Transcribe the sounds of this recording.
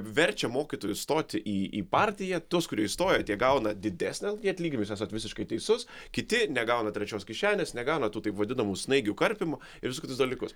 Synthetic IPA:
ʋʲɛɾʲt͡ʃʲɛmoːkʲit̪oːjʊst̪oːt̪ʲɪʔiːiːpɑːɾʲt̪ʲɪjɛt̪uːskʊɾʲiɛɪst̪oːjɛt̪ʲiɛɡɐʊnɐd̪ʲɪd̪ʲæsʲnʲɛjʲiɛɐt̪ʲlʲiːɡʲɪmʲjʊsʲæsot̪ʋʲɪsʲɪʃkɐɪt̪ʲɛɪsʊs | kʲɪt̪ʲɪnʲɛɡɐʊnɐt̪ʲɾʲɛt͡ʃʲoːskʲɪʃʲæːnʲeːsnʲɛɡɐʊnɐt̪uːt̪ɐɪpʋɐd̪ʲɪnɐmuːsnɐɪɡʲuːkɐɾʲpʲɪmɐ | ɪɾʋʲɪsʊkʲɪt̪ʊsd̪ɐlʲikʊs

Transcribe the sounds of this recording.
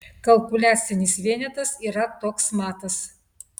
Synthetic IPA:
kɐlˠpʊlʲæːt̪sʲɪnʲɪsʋʲiɛnʲɛt̪ɐsiːɾɐt̪oːksmɑːt̪ɐs

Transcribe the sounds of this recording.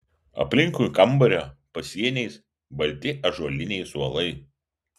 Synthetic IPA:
ɐ̰pʲlʲɪŋkujkɐmˑbɐɾʲopɐsʲiɛnʲɛɪs | bɐlʲt̪ʲɪʔɐʒuɔlʲɪnʲɛɪsuɔlˠɐɪ

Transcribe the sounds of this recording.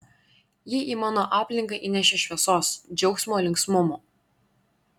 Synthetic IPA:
jɪʔiːmɑːnoːʔɑːpʲlʲɪŋkɐʔinʲæʃʲeʃʲʋʲiɛsoːsd͡ʒʲɛʊksʲmoːlʲɪŋksmʊmoː

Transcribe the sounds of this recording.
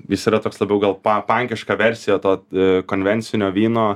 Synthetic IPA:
jɪsiːɾɐt̪oːkslˠɐbʲɛʊɡɐlˠpɐpɐŋʲkʲɪʃkɑʋʲɛɾʲsʲɪjoːt̪oːkoːnʲʋʲɛnʲt̪sʲɪnʲoːʋʲiːnoː

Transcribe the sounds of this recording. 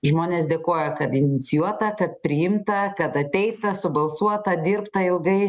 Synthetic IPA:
ʒmoːnʲeːs̬d̪ʲeːkoːjɛkɐt̪ɪnʲɪt̪sʲɪjuɔt̪ɐkɐt̪̚pʲɾʲɪjɪmt̪ɐkɐt̪ɐt̪ʲɛɪt̪ɐsʊbɐlˠsuɔt̪ɐd̪ʲɪːrpt̪ɐɪlˠɡɐɪ

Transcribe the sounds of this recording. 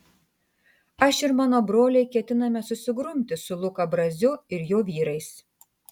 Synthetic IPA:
ɐʃɪɾmɑːnoːbɾoːlʲɛɪkʲɛt̪ʲɪnɐmʲɛsʊsʲɪɡɾʊmʲt̪ʲɪsʊlˠʊkɐbɾɐzʲʊɪɾjoːʋʲiːɾɐɪs

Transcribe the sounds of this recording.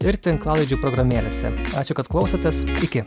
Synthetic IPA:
ɪɾt̪ʲɪnklˠɑːlˠɐɪd͡ʒʲuːpɾɔɡɾɐmʲeːlʲḛːsʲɛ̰ɑ̰ːt͡ʃʲʊkɐt̪klˠɒʊsʲoːt̪ʲesɪkʲɪ

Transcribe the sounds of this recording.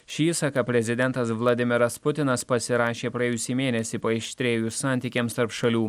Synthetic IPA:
ʃʲiːsɑkɐpʲɾʲɛzʲɪd̪ʲɛnt̪ɐsʋlˠɐd̪ʲɪmʲɪɾɐspʊt̪ʲɪnɐspɐsʲɪɾɑːʃʲeːpɾɐeːjʊsʲɛiːmʲeːnʲɛsʲiːpoːɪʃʲt̪ʲɾʲeːjusɑːˑnʲt̪ʲiːkʲeːmst̪ɐɾpʃɐlʲuː

